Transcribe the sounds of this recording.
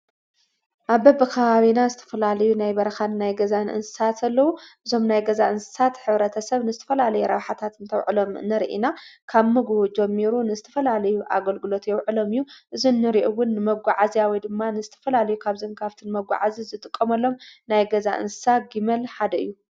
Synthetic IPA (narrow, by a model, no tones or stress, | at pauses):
ʔaβːɐbɨkʰɐβaβinazɨt̪ʰɐ̥fɐlalɐjunajbɐɾɐxanɨnajɡɐzanʔɨ̰nsɨ̥sat̪ʰɐlːɐwuʔɨzo̞mnajɡɐzaʔɨnsɨ̥sat̪ħɨβɾɐt̪ʰɐsɐβnɨzɨt̪ʰɐ̥fɐlalɐjuɾɐβħat̪ʰat̪ɨnt̪ʰɐwʕɨlo̞m̰nɐɾʔḭnakʰaβmɨɡbud͡ʒɛmːiɾunɨzɨt̪ʰɐ̥fɐlalɐjuʔa̰ɡɐlɡɨlo̞t̪jɛwʕɨlo̞mɨjːuʔɨzinːɨɾiʔuwʊnːɨmɐɡʷaʕazijawijd̪ɨmːanɨzɨt̪ʰɐfɐlalɐjukʰaβzɨnkʰaft̪ʰɨnmɐɡʷa̰ʕazizɨt̪ʼɨkʼːɐmɐlːo̞mnajɡɐza̰ʔɨ̰nsɨ̥saɡimɐlħad̪ɐɨ̰jːu